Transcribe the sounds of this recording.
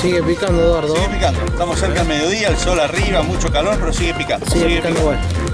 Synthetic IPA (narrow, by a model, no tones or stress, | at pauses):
siɣepikand̪oðwaɾðoepikand̪oet̪amoseɾkaðelme̞ð̞jo̞ðiaelso̞lariβamut͡ʃo̞kalo̞ɾpe̞ɾosiɣepikand̪osisɣeiɣekand̪owen